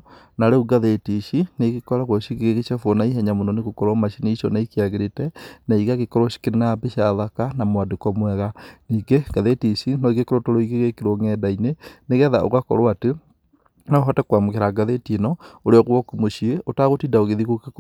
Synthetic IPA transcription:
naɾeuɡaðetiʃineɣikɔɾaɣwɔʃiɣeɣeɣet͡ʃafwonaiɦɛɲamonɔneɣukoɾɔmaʃineiʃɔ̰naikiaɣeɾetɛnaiɣaɣekɔɾoʃi̥keɾenabiʃaðakanamwadekɔmwɛɣaniːɡeɡ̥aðetiʃinɔiɡekoɾotoɾoiɣeɣekiɾoŋɛdaineneɣɛðao̰ɣakɔ̰ɾwate | nɔɦɔtakwamokeɾaɡaðetinɔoɾeɔɣwɔkumoʃieotaɣotidaoɣeðiɣokek

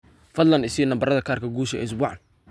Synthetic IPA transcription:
fɐd̪lɐnɪsɪnɐmbɐrɐðɐkʰaːrkʰɐɡuːʃɛɛ̰ɪs̬bʊħɑn

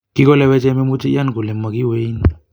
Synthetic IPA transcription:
kikolewet͡ʃememut͡ʃejankulemːakiwejn

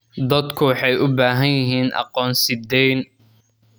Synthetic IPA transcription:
d̪ɐd̪kʰʊwɑħɑjʔʊbaːɦɐnjɪɦiːnʔɑ̰qɔːnsɪd̪ɛjn

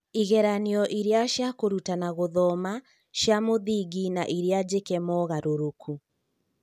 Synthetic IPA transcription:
iɣɛɾaniɔʔiɾeaʃjakoɾutanaɣoðɔma | ʃjamoðiɡinaʔiɾead͡ʑekɛmɔɣaɾoɾokʰu

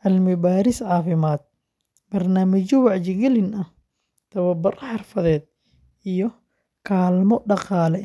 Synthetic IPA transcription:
ʔɐlmɪbaːɾɪsʕɑːfɪmaːd̪̚ | bɐrnaːmɐt͡ʃɔwɑʕt͡ʃɪɡɛlɪnɐh | t̪ʰɐwɐbʊrħɑrfɐðɛːd̪̚ | ʔijɔ | kʰaːlmɔɖɑqɑːlɛ

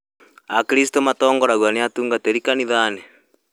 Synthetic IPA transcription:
akiɾis̬tomatɔːŋɡɔɾaɣwaneatuːŋɡateɾikaniðaːnɛ

